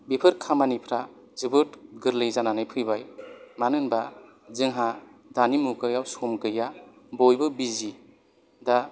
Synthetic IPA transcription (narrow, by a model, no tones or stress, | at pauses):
bipʰɯɾkʰamanipʰɾa | zɯbɯtɡɯɾlɯjzananɯjpʰɯjbajmanɯnba | zɯŋɦadanimuɡɯjawsɔmɡɯja | bɔjbɯbizi | da